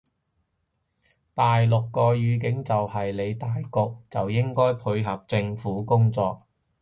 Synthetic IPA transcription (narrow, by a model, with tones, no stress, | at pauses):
t̪aː˨jlʊ˨kːɔː˧jyː˨˧k̬ɪ˨˥ŋt͡sɐ˨whɐ˨jle˨˧jt̪aː˨jkʊ˧k̚t͡sɐ˨wjɪ˥ŋkɔː˥jpʰɵ˧ɥɦɐ˨p̚t͡sɪ˧ŋfuː˨˥kʊ˥ŋt͡sɔ̰ː˧k̚